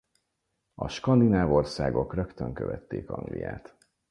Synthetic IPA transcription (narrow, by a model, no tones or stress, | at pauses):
ɒʃkɒnd̪inaːvo̞rsaːɡo̞krøkt̪øŋkøvɛt̪ːeːkɒŋɡlijaːt̪